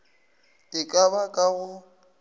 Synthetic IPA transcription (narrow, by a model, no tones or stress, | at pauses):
tʼɪkʼaβakʼaɣʊ